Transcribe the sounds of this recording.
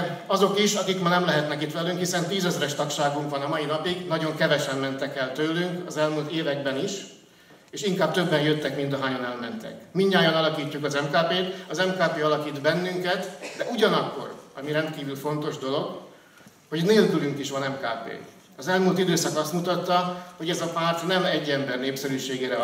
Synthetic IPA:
ɒzo̞kiʃɒkikmaːnɛmlɛɦɛt̪nɛkit̪ʋɛlyŋkhisɛnt̪iːzɛzɾɛʃt̪ɒkʃaːɡuŋkʋɒnɒmɒinɒpiɡnɒɟo̞ŋkɛvɛʃɛmːɛnt̪ɛkɛlt̪øːlyŋkɒzɛlmult̪eːvɛɡ̚bɛniʃ | eːʃiŋkaːb̚t̪ø̞bːɛnjøt̪ːɛkmint̪ɒɦaːɲonɛlmɛnt̪ɛ̰kmiɲːaːjɒnɒlɒkiːcːukɒzɛmkaːpeːt̪ɒzɛmkaːpeːɒlɒkiːd̪bɛnːyŋkɛt̪d̪ɛʔuɟɒnɒkːo̞̰rɒmiɾɛnt̪kiːvylfo̞nt̪o̞ʒd̪o̞lo̞ɡ | ho̞ɟneːlkylyŋkiʃʋɒnɛmkaːpḛː | ɒzɛlmult̪id̪øːsɒkɒst̪mut̪ɒt̪ːɒho̞ɟɛzɒpaːrt̪nɛmɛɟːɛmbɛrneːpsɛɾyːʃeːɡeːɾɛ

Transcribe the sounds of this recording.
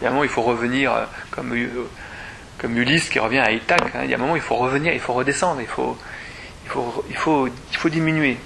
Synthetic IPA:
jaɛ̃mɔmɑ̃ilfoʁəvəniʁø̰kɔmy | kɔmyliskʲiʁəvjɛ̃ait̪akɛ̰̃ḭlja̰mɔmɑ̃ilfoʁəvəniʁilfoʁəd̪esɑ̃d̪ʁilfo̰ | ilfoʁilfoilfod̪iminɥe

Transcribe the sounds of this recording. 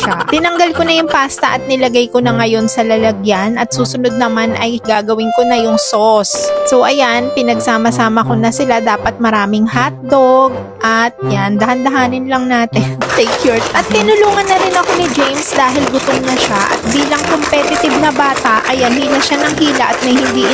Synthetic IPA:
ʃat̪ɪnɐŋɡɐlko̞nɐjʊŋpaːst̪ɐʔɐt̪̚nɪlɐɡajko̞nɐŋɐjo̞nsɐlɐlɐɡjanʔɐt̪̚suːsʊno̞d̪̚nɐmanʔɐjɡaːɡɐwɪŋkonɐjʊŋsosso̞ʔɐjanpɪnɐɡsaːmɐsaːmɐko̞nɐsɪlad̪aːpɐt̪̚mɐɾaːmɪŋhat̪̚d̪oɡ̚ | ʔɐt̪̚jand̪ɐhɐnd̪ɐɦaːnɪnlɐŋnaːt̪ɛt̪ɛjkʰjoɹt̪t̪ːɪnʊluːŋɐnːɐɾɪnɐko̞nɪd͡ʒejmsd̪aːɦɪlɡʊt̪oŋnɐʃaʔɐ̰t̪̚biːlɐŋkompɛt̪ɪt̪ɪb̚nɐbaːt̪ɐʔʔɐjanhiːlɐʃanɐŋɦiːlɐʔɐt̪̚mɐjhɪnd̪i

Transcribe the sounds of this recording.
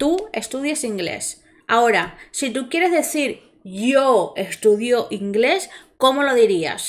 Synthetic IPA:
t̪ue̞̰st̪uðjasiŋɡle̞̰s | ao̞ɾasit̪ukjeɾe̞zðe̞θiɾ | ʝoest̪uðjo̞ʔiŋɡle̞sko̞mo̞lo̞ðiɾia̰s

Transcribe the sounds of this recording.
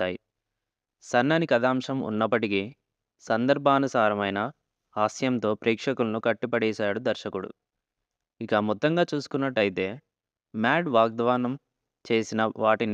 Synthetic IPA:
aːji | sɐnːɐnikɐd̪aːmʂɐmṵnːɐpːɐʈiki | sɐnd̪ɐɾbʱaːnɐsaːɾɐmɐjnɐ | aːsjɐnt̪o̞ːpɾɛːkʂɐkulɐnukɐʈːipɐɽɛːʃaːɽud̪ɐɾʃɐkuɽṵ | ikɐmɔt̪ːɐŋɡaːt͡ʃuːsu̥kunːɐʈːɐjit̪e̞ː | maːɖʋaːɡ̚d̪ʋaːnɐm | t͡ʃe̞ːsinɐʋaːʈini

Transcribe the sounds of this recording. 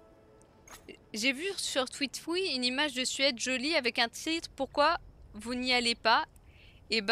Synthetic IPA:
ʒevysyʁt̪wit̪fwiynimaʒd̪əsɥɛd̪ʒɔliavɛkɛ̃t̪ʰit̪χpuʁkwavunialepa | eb

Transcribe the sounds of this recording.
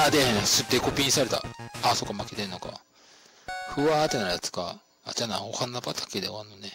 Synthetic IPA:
ad̪ehẽasɨt̪ːekopʲĩɲisaɾe̞t̪a̰aso̞kːamaket̪enːo̞ka̰ | ɸɯ̟aːt̪enajat͡sɨ̥ka̰ | ad͡ʑanã̰ohanːapat̪ʰḁked̪eanːone

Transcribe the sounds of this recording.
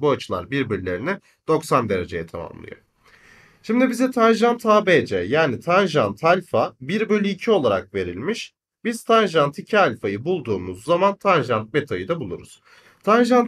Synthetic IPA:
buat͡ʃʰɯlˠa̰ɾbiɾbiɾilʲe̞ɾinɛ | d̪̥o̞ksand̪e̞ɾe̞d͡ʒe̞jɛt̪ʰama̰mlˠɯ̰jo̰ | ʃimd̪ibizɛt̪ʰanʒant̪ʰaːbed͡ʒɛjaːnit̪ʰanʒant̪ʰalʲfabiɾbølʲyːcʰio̞lˠaɾa̰k̚ve̞ɾilʲmiʃ | b̥iz̥t̪ʰanʒant̪ʰicʰialʲfajɯbulˠd̪uːmuzːamant̪ʰanʒant̪̚met̪ʰajɯd̪abulˠuɾṵz̥ | t̪ʰanʒan

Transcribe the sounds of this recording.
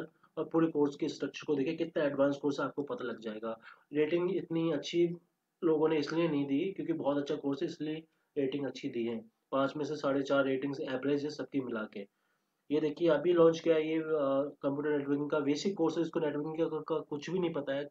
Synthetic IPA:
ɾ | ɔːɾpuːɾekoːɾskesʈɾɐk̚t͡ʃəɾkod̪eːkʰekɪt̪naɛːɖʋãːnskoːɾsaːp̚kopɐt̪alɐɡd͡ʒaːeːɡaːɾeːʈɪ̃ŋɡɪt̪niɐtːʃʰi | loːɡõneɪslienɐɦĩd̪iːkjõːkibɔːt̪ɐtːʃʰakoːɾseɪslie | ɾeːʈɪ̃ŋɡɐtːʃʰid̪iːɦɛ̃ː | pãːt͡ʃmẽsesaːɽet͡ʃaːɾːeːʈɪ̃ŋɡzɛːbɾeːd͡ʒɛsɐb̚kimɪlakeː | jed̪eːkʰieɐbʱilɔ̃ːnt͡ʃkijajekɐ̃mpjuːʈ̬əɾnɛːʈʋəɾkɪ̃ŋɡkaʋeːsikkoːɾsɛd͡ʒɪskoneːʈʋəɾkɪ̃ŋkakʊt͡ʃʰbʱinɐɦĩpɐt̪aɦɛː

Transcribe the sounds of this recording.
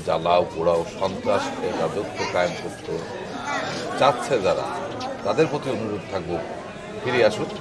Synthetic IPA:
d͡ʑalawkoɽaoʃɔnt̪ɾaʃed͡ʑadot̪ʰːokajomkot̪ːo | d͡ʑatːɕʰed͡ʑaɾa̰t̪ad̪eɾpɾot̪ionuɾod̪̚t̪ʰak̚bo | fʰiɾiaʃu

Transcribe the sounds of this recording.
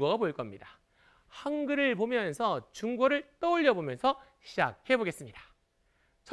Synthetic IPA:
ɡoɡaboiɭk͈ʌmɲida | haŋɡɯɾɯɭpomjʌnsʰʌt͡ɕuŋɡoɾɯɭt͈ʌuʎːʌbomjʌnsʰʌɕʰid͡ʑa̰k̚he̞boɡe̞s͈ɯmɲidḁ | t͡ɕʰ

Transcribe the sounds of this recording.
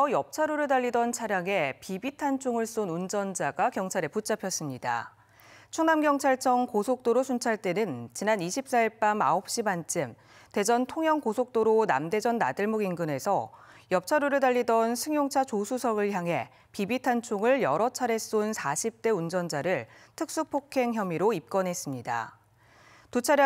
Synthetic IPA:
sʰʌjʌp̚t͡ɕʰaɾuɾɯɭdaʎːidʌnt͡ɕʰaɾjaŋe̞pibitʰant͡ɕʰoŋɯɭs͈onund͡ʑʌnd͡ʑaɡakjʌŋt͡ɕʰaɾeput͡ɕ͈apʰjʌs͈ɯmɲida̰ | t͡ɕʰuŋnamɡjʌŋt͡ɕʰaɭt͡ɕʰʌŋkosʰok̚t͈oɾosʰunt͡ɕʰaɭt͈e̞nɯnt͡ɕinaniɕʰip̚s͈aiɭp͈ama̰ɦop̚ɕ͈imant͡ɕ͈ɯm | te̞d͡ʑʌntʰoŋjʌŋkosʰok̚t͈oɾona̰mde̞d͡ʑʌnːa̰dɯɭmoɡinɡɯne̞sʰʌjʌp̚t͡ɕʰaɾuɾɯɭdaʎːidʌnsʰɯŋjoŋt͡ɕʰat͡ɕosʰusʰʌɡɯɭçjaŋɦe̞ | pibitʰant͡ɕʰoŋɯɭjʌɾʌt͡ɕʰaɾe̞s͈onsʰaɕʰip̚t͈e̞und͡ʑʌnd͡ʑaɾɯɭtʰɯk̚s͈upʰokʰe̞ŋçjʌmiɾoip̚k͈ʌnɦe̞s͈ɯmɲida̰ | tut͡ɕʰaɾ

